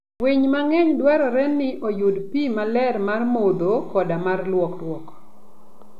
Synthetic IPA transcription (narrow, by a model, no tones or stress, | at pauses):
wiɲmaŋɛɲdwaɾɔɾɛnːɪʔɔjodpimalɛrmarmod̪okɔdamarlwɔkrwɔk